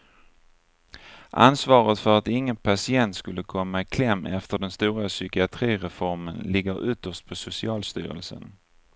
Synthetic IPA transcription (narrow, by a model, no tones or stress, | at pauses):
ʔa̰nsvɑːɾət̪fœɾat̪ɪŋːənpʰasɪɛnt̪skɵlːəkʰɔmːaɪkʰlɛmːɛft̪əɖɛnst̪uːɾasʏkɪat̪ʰɾiːɾɛfɔɾmənlɪɡːəɾʏt̪ːəʂt̪̚pʰɔsʊsɪɑːlst̪y̰ːɾə̰lsə̰n